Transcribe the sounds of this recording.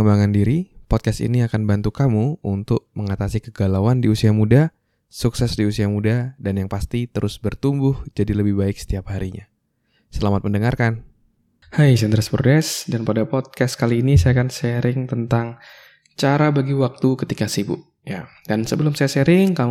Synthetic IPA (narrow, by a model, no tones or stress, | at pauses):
əmbaŋandiɾipɔt̪̚kast̪ḭniakanbant̪ukamuunt̪ʊk̚məŋat̪asikəɡalawandiusiɦamuda | suksɛsdiusiamudadanjaŋpast̪it̪əɾʔʊsbərt̪umbʊhd͡ʒadiləbɪhbaɪk̚sə̥t̪iap̚haɾiɲa̰ | səlamat̪̚məndəŋarkan | hajsand̪ɾaspɾodɛsdanpadapɔt̪̚kaskaliːnisajakansəɾɪŋt̪ənt̪aŋ | t͡ʃaɾabaɡiwak̚t̪ukət̪ikasibʊ̰ʔ | jadansəbəlʊmsajasəɾɪŋka